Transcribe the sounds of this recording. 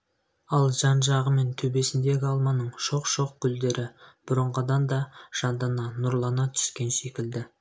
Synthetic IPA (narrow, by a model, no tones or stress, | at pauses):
ɑlˠʒɑnʒɑʁəme̞nt̪ʰɵbe̞sɪnd̪e̞ɡʲɪɑlˠmɑnəɴʃo̞qʃo̞q̚kʲʰʏld̪e̞ɾʔɪb̥ʊɾəɴʁəd̪ɑnd̪ɑʒ̥ɑnd̪ɑnɑnʊɾlˠɑnɑt̪ʰʏ̥skʲe̞nʃe̞kʲɪld̪ɪ